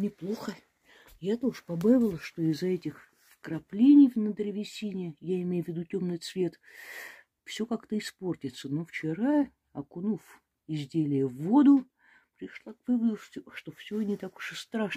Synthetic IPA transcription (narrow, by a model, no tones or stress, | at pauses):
nʲɪplˠo̞xə | jat̪oʐɨpɐbavʲɪlˠəʂt̪o̞ɪzːɐɛtʲɪx | fkɾɐplʲenʲɪjvnəd̪ɾʲɪvʲɪsʲinʲɪjəjaɪmʲejʊvʲɪd̪utʲo̞mnɨjt̪svʲe̞t̪ | fsʲo̞kakt̪əɪspo̞rtʲɪt̪səno̞ft͡ɕɪɾaə | ɐkʊnuf | ɪzʲdʲelʲɪjəvːo̞d̪ʊ | pɾʲɪʂlˠakvɨvəd̪ʊfʲʂt̪ofsʲonʲɪt̪akʊ̥ʂəst̪ɾaʂ